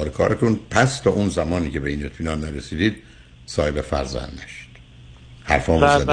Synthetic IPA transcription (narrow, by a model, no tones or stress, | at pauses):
ɾekʰɒːɾet̪ʰunpʰæst̪ʰɒːʔunzæmɒːniːcʰe̞beiːne̞t̪fiːnɒːnnːæɾesiːd̪iːd̪̚ | sɒːhebefæ̰ɾzæ̰nd̪næʃd̪̥ | hæɾfɒːɒse